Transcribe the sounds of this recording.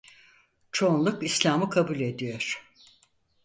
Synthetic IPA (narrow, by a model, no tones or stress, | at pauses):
t͡ʃʰo̞nlˠukislʲaːmɯkʰabulʲe̞d̪ijoɾ̥